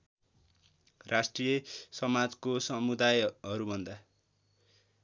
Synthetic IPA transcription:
rʔasʈrijesʌmad͡zkosʌmud̪ajɦʌɾubʱʌnd̪a

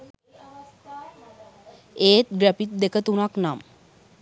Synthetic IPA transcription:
eːt̪̚ɡɾəpit̪̚d̪ekət̪unaknam

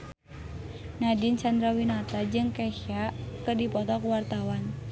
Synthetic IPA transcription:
nadint͡ʃand̪ɾawinat̪ad͡ʒɨŋkaʃakərdipɔt̪ɔkuwart̪awan

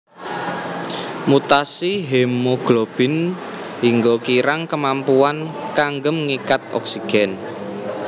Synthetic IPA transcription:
mut̪asiɦemoɡ̥lob̥ɪ̤n | iŋɡokiɾaŋkəmampuankaŋɡəmŋikat̪̚ɔ̰ksiɡ̥ɛn

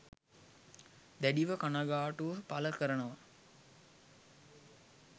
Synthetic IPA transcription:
d̪æɖiʋəkanaɡaːʈuʋəpaləkəɾənəʋa

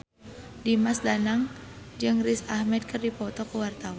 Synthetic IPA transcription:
dimasdanaŋd͡ʒɨŋrisahmɛd̪̚kɨrdipɔt̪ɔkəwart̪awa

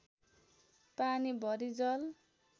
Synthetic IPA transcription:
panibʱʌɾid͡zʌl

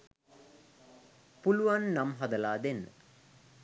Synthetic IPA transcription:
puluʋanːamɦad̪əlaːd̪enːə̰

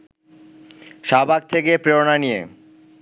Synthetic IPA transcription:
ʃabʱak̚t̪ʰekepɾeɾonanijḛ

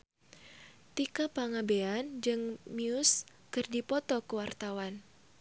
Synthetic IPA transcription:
t̪ikapaŋabeand͡ʒɨŋmiʊs | kɨrdipɔt̪ɔkəwart̪awan

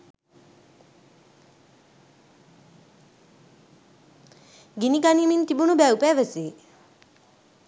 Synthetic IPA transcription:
ɡiniɡaniːmint̪ibunubæwpæːʋəseː

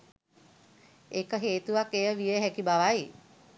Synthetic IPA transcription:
ekəɦeːt̪uʋakejəʋijəɦækibaʋaj

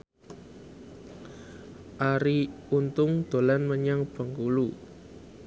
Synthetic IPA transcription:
ʔaɾiunt̪ʊŋd̪̥o̤lanməɲaŋb̥a̤ŋkulu

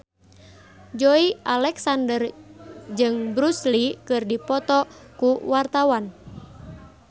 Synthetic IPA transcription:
d͡ʒoiʔalɛksandərd͡ʒɨŋbɾuslikɨrdipɔt̪ɔkuwart̪awan

